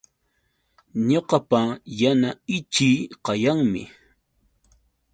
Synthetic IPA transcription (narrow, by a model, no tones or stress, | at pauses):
ɲoqɑpajanaɪt͡ʃiːqɑjaŋmɪ̰